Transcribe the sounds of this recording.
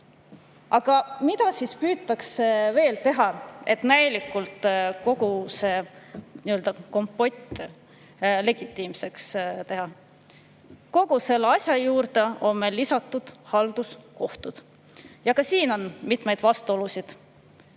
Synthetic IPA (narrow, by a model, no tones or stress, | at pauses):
ʔɑɡ̥ɑmid̪̥ɑsispyːt̪ːˑɑkseve̞ːlt̪e̞ɦɑe̞t̪næjlikːˑult̪ˑko̞ɡ̥use̞niøld̪ɑko̞mpːˑo̞t̪ʲː | le̞ɡ̥it̪ˑːiːmse̞kst̪e̞ɦɑ | ko̞ɡ̥use̞lːɑsʲjɑjuːɾd̪e̞o̞nme̞lːisɑt̪ːˑud̪̥hɑld̪̥usko̞ht̪ud̪̥ | jɑkɑsiːno̞nmit̪me̞jd̪̥vɑst̪uo̞lusid̪̥